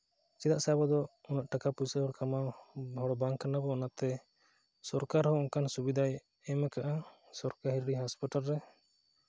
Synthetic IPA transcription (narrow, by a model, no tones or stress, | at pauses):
t͡ʃid̪aʔsabɔd̪ɔɔnaʔʈakapusɛɦɔɽkamaɦɔɽɔbaŋkanabɔɔnat̪ɛ | sɔɾkaɾhɔɔŋkansubid̪ʱaj | ɛmakaʔa | sɔɾkaɦiɾɾiɦaspiʈalɾɛ